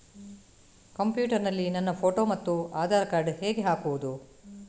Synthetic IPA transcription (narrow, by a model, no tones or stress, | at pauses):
kɐmpjuːʈɐɾnɐlːinɐnːɐpʰo̞ːʈo̞ːmɐt̪ːuaːd̪ʱaːɾɐkaːɾɖheːɡe̞ɦaːkuʋud̪u